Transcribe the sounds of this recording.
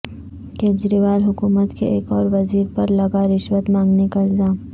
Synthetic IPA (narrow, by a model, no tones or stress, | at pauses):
keːd͡ʒɾiːʋaːlɦʊkuːmət̪keʔeːkɔːɾʋɐziːɾpɐɾlɐɡaɾɪʃwət̪mãːŋɡnekaɪlzaːm